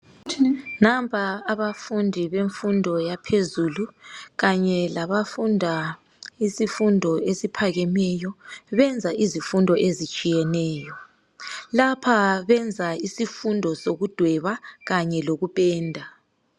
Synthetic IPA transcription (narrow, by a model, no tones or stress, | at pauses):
nampʰʼaːβafundʱiβeɱfundʱɔjapʰezuluɣaɲɛlaβafundʱa | isifundʱɔesipʰaɣɛmɛjɔβɛnd͡zʱaʔizifundʱɔʔezit͡ʃʼijɛnɛːjɔ | lapʰaβɛnd͡zʱaisifundʱɔsoɣud̥ʱwɛβaɣaɲɛloɣupʼɛːndʱa